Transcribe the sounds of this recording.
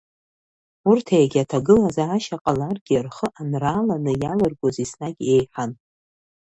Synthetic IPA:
urtʰajaɡʲatʰaɡɨlazaːʃaqʼalarɡʲirχəʔanraːlanɨjalɨrɡʷozisnaɡʲe̞jħan

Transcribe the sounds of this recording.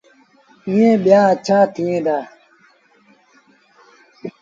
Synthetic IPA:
ĩjẽɓjaːɐt͡ɕʰaːt̪ʰĩẽːd̪aː

